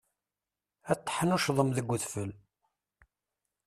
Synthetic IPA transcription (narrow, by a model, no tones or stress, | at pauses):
æt̪ːħənuʃðˤəmðəɡʷːəθfəl